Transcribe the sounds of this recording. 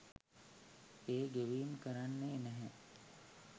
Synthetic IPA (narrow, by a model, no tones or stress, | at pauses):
eːɡeʋiːmkəɾanːeːnæɦɛ